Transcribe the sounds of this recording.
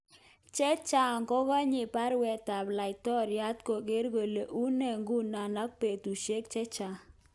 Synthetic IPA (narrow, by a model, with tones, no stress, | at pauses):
t͡ʃɛ˦t͡ʃa˦˨ŋkɔ˦ɡɔ˦ɲɪ˨pa˦ɾwɛ˨ta˨bla˨ɪ˨tɔ˦ɾja˦t̪ko˨ɡe˦ɾɡe˨le˨ʔu˦nɛ˨ŋɡu˦na˨na˦k̚pe˨t̪u˨ʃe˦kt͡ʃɛ˦t͡ʃa˨